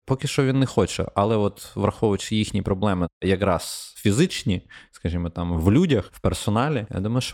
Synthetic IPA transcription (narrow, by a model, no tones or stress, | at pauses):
pɔkʲɪʃt͡ʃɔʋʲinːɛxɔt͡ʃɛ̰ʔɐlˠɛɔt̪ʋɾɐxɔʋʋʊt͡ʃɪjixnʲipɾɔblˠɛmɪjɐkɾɑsfʲizɪt͡ʃnʲiskɐʒʲimɔt̪ɑmʋlʲudʲɐxwpersɔnɑlʲija̰d̪umɐjʊʃɔ